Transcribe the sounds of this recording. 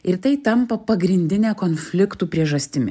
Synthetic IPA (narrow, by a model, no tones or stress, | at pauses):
ɪɾt̪ɐɪt̪ɐmpɐpɐɡɾʲɪnʲd̪ʲɪnʲæːkoːnfʲlʲɪkt̪uːpʲɾʲiɛʒɐsʲt̪ʲɪmʲɪ̰